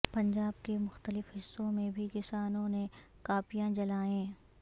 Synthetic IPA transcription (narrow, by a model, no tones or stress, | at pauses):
pɐ̃ɲd͡ʒaːb̚kemʊxt̪əlɪfɦɪsːõmẽbʱikɪsaːnõne | kaːpijãd͡ʒɐlaːẽː